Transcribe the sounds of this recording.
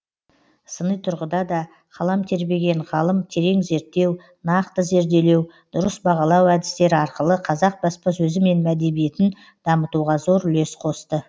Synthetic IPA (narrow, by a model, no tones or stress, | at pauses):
sənəjt̪ʰʊɾʁəd̪ɑd̪ɑ | qʰɑlˠɑmt̪ʰe̞ɾbe̞ɡʲe̞ɴʁɑlˠəmt̪ʰe̞ɾe̞ŋze̞ɾt̪ːe̞w | nɑqt̪əze̞ɾd̪e̞le̞w | d̪̥ʊɾəsbɑʁɑlˠɑwæd̪ɪst̪e̞ɾɪɑɾqəlˠəqʰɑzɑq̚bɑspɑsɵzɪme̞nmæd̪e̞bije̞t̪ɪn | d̪̥ɑmət̪uʁɑzo̞ɾʏle̞sqʰo̞st̪ə